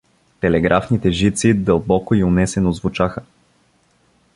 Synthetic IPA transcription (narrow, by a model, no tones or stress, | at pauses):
t̪ɛlɛɡɾʔafnit̪ɛʒit̪sid̪əlˠbɔkoiʊnɛsɛnozvʊt͡ʃaxə